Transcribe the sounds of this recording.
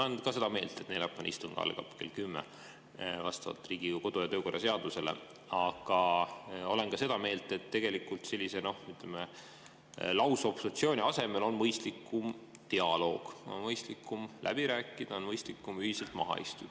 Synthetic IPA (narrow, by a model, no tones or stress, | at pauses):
enkɑse̞d̪̥ɑme̞ːlt̪e̞t̪nelɑpːɑn̰ist̪uŋɡ̥ɑ̰lɡɑ̰pke̞̰lkymːḛ | vɑst̪ɑvɑ̰lt̪ːˑriːɡ̥iko̞d̪̥ojɑt̪øːko̞rːɑse̞ɑd̪̥use̞lḛ | ɑɡ̥ɑo̞le̞nkɑse̞d̪ɑme̞ːlt̪ˑe̞t̪ːe̞ɡ̥e̞likːˑult̪se̞lʲːise̞no̞hyt̪leme | lɑwsopsut̪sio̞ːnʲiɑse̞melo̞nmɤjst̪likːˑum | t̪iɑlo̞ːɡ̥o̰nmɤjst̪likːˑumlʔæ̰b̥iɾæːkːˑid̪̥ɑonmɤjst̪likːˑumyhiselt̪mɑ̰ɦɑ̰ḭst̪u̥